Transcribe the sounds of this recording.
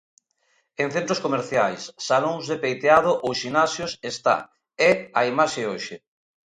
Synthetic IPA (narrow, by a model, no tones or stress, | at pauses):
eŋ̟θent̪ɾoskomeɾθjajsːaloŋzðepejt̪eaðʊʔosʃinasjosest̪a̰ | ɛaimaʃeoʃɪ